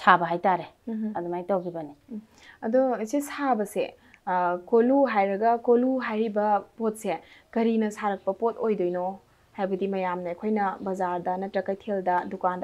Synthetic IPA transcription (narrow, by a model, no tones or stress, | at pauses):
sʰabɐɦajtaɾeɐdumajtawɡibɐni | ɐdoɐsesabɐsḛ | koluɦajɾɐɡɐkoluɦajɾibɐpot̚sekɐɾinɐsaɾɐk̚pɐpotojdojno | hajbɐdimɐjamnɐɐjkʰojnɐbɐzaɾdɐnɐtɾɐkɐjtʰeldɐdukandɐ